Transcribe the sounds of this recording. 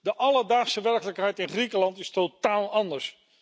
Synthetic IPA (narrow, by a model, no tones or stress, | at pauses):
dəʔɑləɹdaːχsəʋɛɹkələkɦɛjtɪnχrikəlɑntɪstotaːlˠɑndəɹs